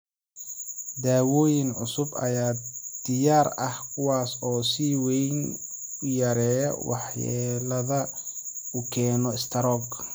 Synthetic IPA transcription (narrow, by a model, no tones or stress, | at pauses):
d̪aːwɔːjɪnʕʊsʊbɐ̰jaːd̪̥ɪjaːrɐhkʰʊwaːsɔːsiːwɛjnʊjɐɾɛːjɐwʔɑ̰ħja̰ːlɐðɐ | ʊkʰɛːnɔɪst̪ʰɐɾɔːɡ